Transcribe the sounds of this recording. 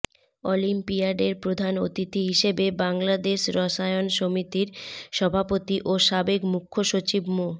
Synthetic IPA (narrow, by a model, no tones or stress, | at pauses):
ɔlimpiaɖeɾpɾod̪ʱanot̪it̪iɦiʃebebaŋlad̪eʃɾɔʃaeonʃomit̪iɾʃɔbʱapot̪iʔoʃabekmukʰːoʃot͡ɕibmo